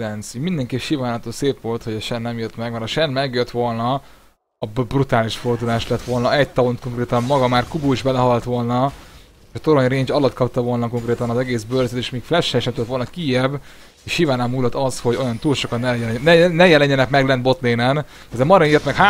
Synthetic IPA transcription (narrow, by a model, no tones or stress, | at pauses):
lɛnt̪sumind̪ɛŋkiʃivaːnɒt̪oːseːpʋo̞lt̪ho̞ɟɒʃɛnːɛmiːrt̪mɛɡmɛɾɒʃɛnmɛɡjøt̪ʋo̞lnɒː | bbrut̪aːliʃfo̞rd̪ulaːʃlɛt̪ʋo̞lnɒʔɛc̚t̪ɒont̪ko̞ŋkreːt̪ɒmmɒɡɒmaːrkubuːiʒbɛlɛɦɒlt̪ʋo̞lnɒ | eʃɒt̪o̞ɾoɲreːɲt͡ʃɒlɒt̪kɒpt̪ɒvo̞lnɒko̞ŋkreːt̪ɒnɒzɛɡeːsbørzøt̪eːʃmiːkflɛʃːɛʃnɛmt̪ulɛt̪o̞lnɒkijɛbː | eːʃʃivaːnaːmːuːlːɒt̪ɒsho̞ɟo̞jɒnt̪uːlʃo̞kɒt̪nɛnɛnɛjɛlɛɲːɛnɛkmɛɡlɛnbo̞t̪leːnɛn | ɛzɛmɒɾɛniːrt̪mɛkha